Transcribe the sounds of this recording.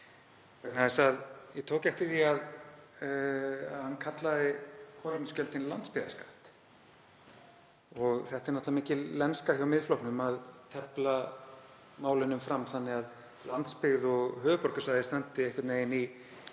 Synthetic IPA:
ɛnaɛsaðjɛt̪ʰoːwcɛft̪ɪθiað | hankʰat̪laðɪkʰɔlɪnscœlt̪ɪnlant̪spɪɣða̰skaht̪ | ɔɣθɛht̪ɪɾnaht̪lamiːcɪlɛnskḁçjawmɪðflɔwhknʏmaðt̪ʰɛpla | maːwlɪnʏmfɾamːθanːɪɣað | lant̪spɪɣðɔɣhœːvʏpɔɾkʏsvajðɪst̪ant̪ɪehkaɾt̪nejɪni

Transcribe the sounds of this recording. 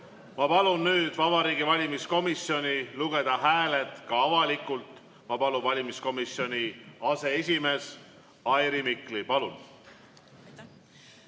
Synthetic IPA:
mɑpɑlunnyːd̪̥vɑbɑɾiːɡivɑlʲimisko̞misjo̞nʲiluɡe̞d̪ɑɦæːle̞t̪ˑkɑɑvɑlikˑult̪ˑ | mɑpɑlunvɑlʲimisko̞misjo̞nʲiɑse̞es̬ʲime̞s | ɑjɾimiklipɑlun

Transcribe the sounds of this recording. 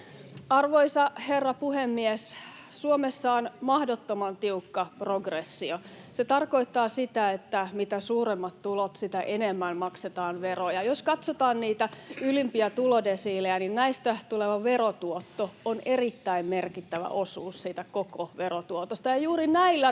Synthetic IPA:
ɑrʋoisɑherːɑpuhemːies | suomesːɑːnmɑhdot̪ːomɑnt̪iukːɑproɡresːio | set̪ɑrko̞it̪ːɑːsit̪æet̪ːæmit̪æsuːremːɑt̪t̪ulot̪sit̪æʔenemːænmɑkset̪ɑːnʋerojɑjoskɑt̪sot̪ɑːnniːt̪æylimpiæt̪ulodesiːleæninnæist̪æt̪uleʋɑʋerot̪uot̪ːoonerit̪ːæimmerkit̪ːæʋæ̰ʔosuːssiːt̪ækokoʋerot̪uot̪ost̪ɑjɑjuːrinæilːæ

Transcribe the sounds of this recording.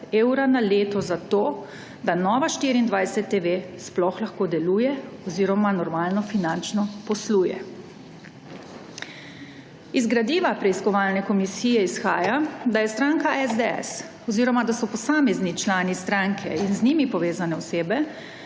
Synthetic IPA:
eːwɾanaleːt̪ɔzat̪oː | d̪anɔːʋaʃt̪iɾiːnd̪ʋajsɛt̪ːeʋesplɔxlaxkoːd̪ɛluːjɛɔziːɾɔmanɔɾmaːlnɔfinant͡ʃnɔpɔsluːjɛ̰ | izɡɾad̪iːʋapɾɛiskɔʋalnɛkɔmisiːjɛisxaːjad̪ajɛst̪ɾaːŋkaʔɛzd̪eɛ̰s | ɔziːɾɔmad̪asɔpɔsaːmɛznit͡ʃlaːnist̪ɾaŋkʰɛinzniːmipɔʋeːzanɛɔseːbɛ

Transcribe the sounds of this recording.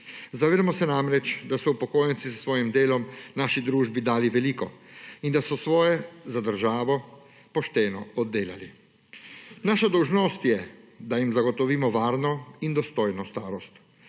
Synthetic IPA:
zaʋeːd̪amɔsɛnamɾɛt͡ʃd̪asɔupɔkoːjɛnt̪sissʋɔːjimd̪eːlɔmnaːʃid̪ɾuːʒbid̪aːliʋɛliːkɔind̪asɔsʋɔːjɛzad̪əɾʒaːʋɔ | pɔʃt̪ɛːnɔɔd̪ːeːlali | naːʃad̪ɔwʒnɔst̪jɛd̪ajimzaɡɔt̪ɔʋiːmɔʋaːɾnɔind̪ɔst̪oːjnɔst̪aːɾɔst̪

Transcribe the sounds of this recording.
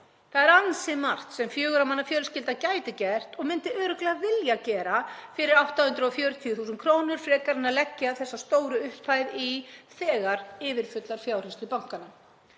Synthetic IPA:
θaðɛɾansɪmar̥t̪sɛmfjœːɣʏɾamanːafjœːɾʏscɪlt̪aðcaːjt̪ɪcɛr̥t̪ɔɣmɪnt̪ɪœːɾʏklɛɣavɪljacɛːɾafɪɾɪɾawht̪ahʏnt̪ɾʏɔfjœːɾʏt̪ʰiʏθuːsʏnkʰɾoːwnʏɾ̥fɾɛːkaɾɪnːalɛcːaaθɛsːast̪oːwɾʏʏhpaːjðiθɛːɣaɾɪːvɪɾ̥fʏt̪laɾ̥fjaːwrɪst̪ʏpawŋ̥kana

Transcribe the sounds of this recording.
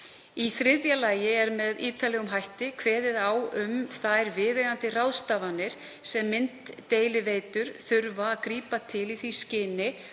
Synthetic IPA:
iθɾɪðjalaːjɪɛɾmɛðiːt̪alɛɣʏmɦajht̪ɪkʰv̥ɛːðɪðawʏmθajɾvɪːðejðant̪ɪrawðst̪avanːɪɾ̥ | sɛmːɪn̥t̪ːeːjlɪveːjt̪ʏɾ̥θʏɾvaːðkɾiːpat̪ʰɪliθiscɪːnɪ

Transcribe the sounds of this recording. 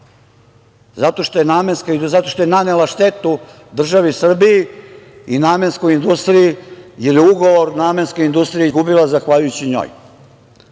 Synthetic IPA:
zat̪o̞ʃt̪o̞jenaːmenskaizat̪o̞ʃt̪ojenanelaʃt̪et̪u | d̪r̩ʒaʋisr̩bijiinaːmensko̞jind̪ust̪ɾijijeljuɡo̞ʋoɾnaːmenskojind̪ust̪ɾijizɡubilˠazaxʋaʎujut͡ɕiɲo̰ːj

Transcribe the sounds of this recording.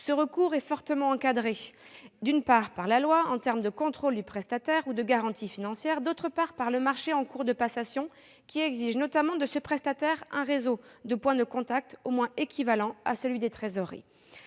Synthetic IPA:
səʁəkuʁɛfɔʁt̪əmɑ̃ɑ̃kad̪ʁed̪ynpaʁpaʁlalwaɑ̃t̪ɛʁmd̪əkɔ̃t̪χold̪ypχɛst̪at̪ɛʁud̪əɡaʁɑ̃t̪ʰifinɑ̃sjɛʁd̪ot̪χəpaʁpaʁləmaʁʃeɑ̃kuʁd̪əpasasjɔ̃ | kʲiɛɡziʒnɔt̪amɑ̃d̪əsəpχɛst̪at̪ɛʁɛ̃ʁezod̪əpwɛ̃d̪əkɔ̃t̪ak̚t̪omwɛ̃ekʲʰivalɑ̃asəlɥid̪et̪χezɔʁḛ

